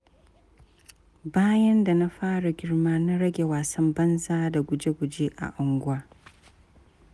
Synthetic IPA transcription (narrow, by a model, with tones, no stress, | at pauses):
baː˦jɐ˦nda˨na˦ɸaː˦ɽa˨ɡʲɪ˦ɽmaː˦na˦ɽɐ˦ɡʲe˨waː˨sɐ˦mbɐ˦nzaː˦da˨ɡʷʊ˨d͡ʒe˦ɡʷʊ˨d͡ʒeː˦ʔa̰˨ʔʊ˨ŋɡʷʊ˦waː˦